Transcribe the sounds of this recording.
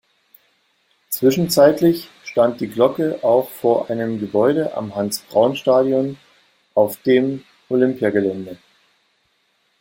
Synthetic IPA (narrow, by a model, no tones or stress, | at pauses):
t͡sv̥ɪʃn̩t͡saɪtlɪçʃtant̚d̥iːɡlɔkəʔaʊxfoːɐʔaɪnəmɡəbɔʏɾəʔa̰mɦansb̥ʁaʊnʃtaːdjɔn | ʔaʊfd̥eːm | ʔolʏmpjaɡəlɛndə